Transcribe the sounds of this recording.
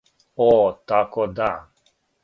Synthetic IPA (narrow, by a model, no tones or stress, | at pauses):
ɔt̪akɔd̪a